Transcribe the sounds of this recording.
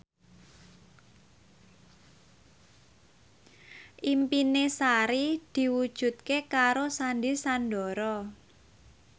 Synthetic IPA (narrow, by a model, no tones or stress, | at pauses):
ʔimpinesaɾid̪̥i̤wud̥ʒ̥ṳt̪̚kekaɾosandisanɖɔɾɔ